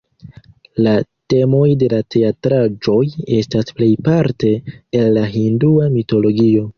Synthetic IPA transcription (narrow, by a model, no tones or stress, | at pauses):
late̞mo̞jde̞latʰe̞atɾad͡ʒo̞je̞stasple̞jpaɾte̞ːlːaɦinduamito̞lo̞ɡio̞